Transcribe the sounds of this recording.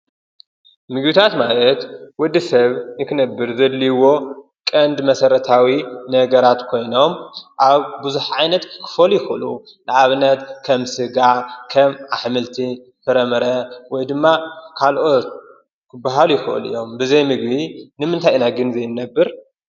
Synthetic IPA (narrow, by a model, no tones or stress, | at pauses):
mɨɡbit̪ʰat̪malɐt̪wɔd̪ːisɐβnɨkʰɨnɐbːɨɾzɐd̪ːiwo̞ | kʼɐnd̪mɐsɐɾɐt̪ʰawinɐɡɐɾat̪kʰo̞jno̞mʔaβbuzuħʕajnɐt̪kʰɨ̥fɐlujɪxɨɨ̰lu | nɨʕaβnɐt̪kʰɐmsɨɡakʰɐmʔaħmɨlt̪ʰi | fɨɾɐmɐɾɐwɔjd̪ɨmːakʰalʔo̞t̪̚ | kʰɨbːaɦalujɪxɨʔɨ̰lɨ̰jːo̞mbɨzɐjmɨɡ̚βinɨmɨnt̪ʰajnaɡɨnzɐjnːɐbːɨɾ